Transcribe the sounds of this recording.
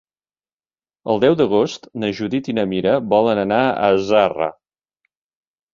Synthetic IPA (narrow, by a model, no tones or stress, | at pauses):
əlˠd̪ɛwd̪əɣ̞ost̪nəʒuðit̪inəmiɾəβɔlənənaə̰zarə̰